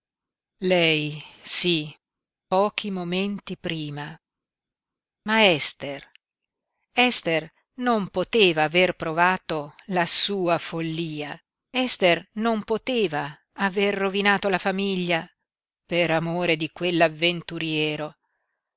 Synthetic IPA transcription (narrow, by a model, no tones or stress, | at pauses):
lɛjsi | pɔːk̟ʰimoment̪ipɾiːma | maɛst̪er | ɛst̪er | nompot̪eːvaːverpɾovaːt̪olasuːafolːiːa | ɛst̪ernompot̪eːva | averːovinaːt̪olafamiʎːa | peɾamoːɾed̪ikwelːavːent̪uɾjɛːɾo